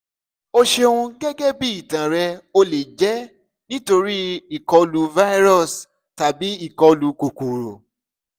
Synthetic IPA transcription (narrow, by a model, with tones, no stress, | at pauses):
o˧ʃe˧o˧ũ˧ɡɛ˦ɡɛ˦bi˦i˦˨tã˨ɾɛ˧o˧le˨d͡ʒɛ˨˦ | nĩ˦to˧ɾi˦i˨kɔ˧lu˧va˦i˦ɾɔ˦˨s | ta˨bi˨˦i˦˨kɔ˧lu˧ku˨ku˨ɾo˨